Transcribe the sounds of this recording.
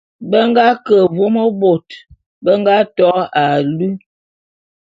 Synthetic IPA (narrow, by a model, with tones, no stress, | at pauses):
bə˦ŋɡa˦kə˨vo˦mo˦bo˨t | bə˦ŋɡa˦tɔ˦a˨lu˦